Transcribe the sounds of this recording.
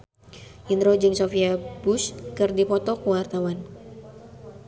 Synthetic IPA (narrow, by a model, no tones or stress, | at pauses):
ʔind̪ɾod͡ʒɨŋsofiabuskɨrdipɔt̪ɔkəwart̪awan